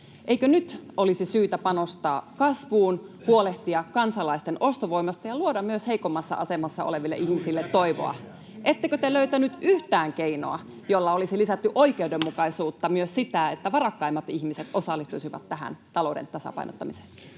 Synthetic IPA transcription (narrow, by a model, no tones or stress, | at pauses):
ʔeikønyt̪ʔolisisyːt̪æpɑnost̪ɑ̰ːkɑsʋuːnhuoleht̪iɑkkɑnsɑlɑist̪enʔo̞st̪oʋo̞imɑst̪ɑjɑluodɑmmyøsheikomːɑsːɑ̰ʔɑse̞mɑsːɑo̰leʋilːḛʔihmisilːet̪ːoiʋo̰ɑ̰ | ʔe̞t̪ːekøt̪eløyt̪ænyt̪yht̪æːŋkeino̰ɑ | jolːɑolisilisæt̪ːyʔo̞ikeuwdemːukɑisuːt̪ːɑmyøssit̪æet̪ːæʋɑrɑkːɑimːɑt̪içmiset̪o̞sɑlːist̪usiʋɑ̰t̪ːæɦæ̰nt̪ɑlo̞udḛnt̪ɑsɑ̰pɑ̰ino̰t̪ːɑmise̥n